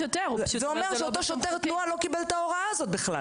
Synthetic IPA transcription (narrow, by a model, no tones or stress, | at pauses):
t̪zzɛomeʁot̪oʃot̪eʁt̪nnualo̞kibelt̪aoʁaaːzot̪̚biχla̰